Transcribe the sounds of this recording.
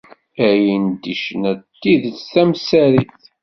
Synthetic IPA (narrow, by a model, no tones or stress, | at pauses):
æjənd̪iʃnæt̪ːiðt͡sθæmsæɾiθ